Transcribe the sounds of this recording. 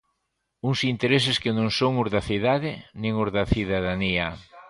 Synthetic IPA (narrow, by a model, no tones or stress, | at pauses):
uŋsint̪eɾes̬ɪskɪnõŋsoŋʊzðɐθiðaðɪnĩŋʊzðɐθiðaðaniɐ